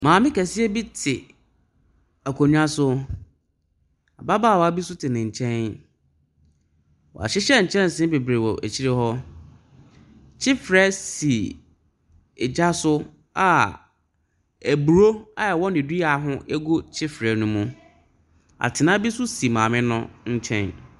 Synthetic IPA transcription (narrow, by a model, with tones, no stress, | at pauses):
mãː˨mɪ̃˦kæ˨sɪ˦ɛ˦bi˦tʰɪ˨ | æ˨kʰo˨ɲᶣ˦ã˦sʊ˦ | a̰˨ba˦baː˦˨wɔ˨a˨bi˦sʊ˦tʰɪ˨nɪ̃˨ɲ̩˨t͡ɕʰɛ̃˦n | wɔ̰˨a̰˨ɕɪ˦ɕɛ˦ɲ̩˨t͡ɕʰɛ̃˦n˨sɪ̃˦be˨bɾe˨wɔ̰˨ʔæ̰˨t͡ɕʰi˦ɾe˦hɔ˦ | t͡ɕʰɪ˦fɾɛ˦si˨ | ɛ˨d͡ʑa˦sʊ˦ | a˨ | æ˨bu˨ɾo˦a˦jɛ˨wɔ˦nɪ̃˨di˦a˨˦ɦʊ̃˦ʔɛ˦ɡo˦t͡ɕʰɪ˦fɾɛ˨nũ˦mũ˦ | a̰˨tʰɪ˨nã˦bi˦sʊ˦si˨mãː˨mɪ̃˦nʊ̃˦ɲ̩˦t͡ɕʰɛ̰̃˦n